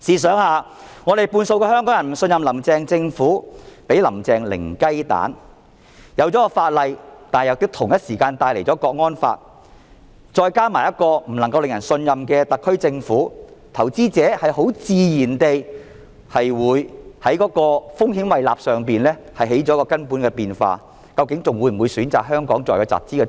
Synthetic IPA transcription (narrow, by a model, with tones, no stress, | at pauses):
siː˨˩s̬œː˨˥ŋhaː˨˧ | ŋɔː˨˧ɾe˨˩jpuː˧nso˧wkɛː˧hœː˥ŋkɔː˨˥ŋjɐ˨˩m̩˨˩sɵ˧njɐ˨mlɐ˨˩mt͡sɛː˨ŋt͡sɪ˧ŋfuː˨˥pe˨˥jlɐ̰˨˩mt͡sɛː˨˧ŋlɪ̰˨˩ŋkɐ˥jt̪a̰ː˨˥n | jɐ˨˧wt͡sɔː˨˥kɔː˧faː˧t̚lɐ˨jt̪aː˨jɐ˨˧wt̪ɪ˥k̚t̪ʰʊ˨˩ŋjɐ˥t̚siː˨˩kaː˧nt̪aː˧jle˨˩jt͡sɔː˨˦˥kɔː˧k̚ŋɔː˥nfa̰ː˧t̚ | t͡ʃɔː˧jkaː˥maː˨˩jɐ˥t̚kɔː˧m̩˨˩nɐ˨˩ŋkɐ˧wlɪ˨ŋjɐ˨˩nsɵ˧njɐ˨mkɛː˧t̪ɐ˨kʰːɵ˥ɥt͡sɪ˧ŋfuː˨˥t̪ʰɐ˨˩wt͡siː˥t͡sɛː˨˥hɐ˨jho˨˥wt͡siː˧jiː˨˩nt̪e˨j | hɐ˨jwuː˨˧jhɐ˨˥jkɔː˨˥kɔː˧fʊ˥ŋɦi˨˥mwɐ˨jla̰ː˨p̚sœː˨˩ŋpiː˨nlɛː˥ | hɐ˨jɦe˨˥jt͡sɔː˨˥kɔː˧kɐ˥npuː˨˥nkɛː˧piː˨˧nfa̰ː˧ | kɐ˧wkɪ˨˥ŋt͡sʊ˨ŋwuː˨˧jm̩˨˩uː˨˧jsyː˨˥nt͡saː˨k̚ɦœː˥ŋkɔː˨˥ŋt͡sɔː˨jkɔ˧t͡sa̰ː˨˩p̚t͡siː˥kɛ˧